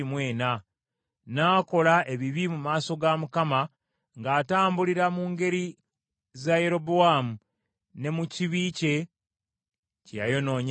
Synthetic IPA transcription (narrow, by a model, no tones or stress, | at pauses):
imwe̞ːna | naːko̞laʔe̞βiβimumaːso̞ɡamukama | ŋɡaːtaːmbuliɾamuːŋɡe̞ɾi | zaje̞ɾo̞boamu | ne̞muciβiːce̞ | cja̰jo̞no̞ːɲ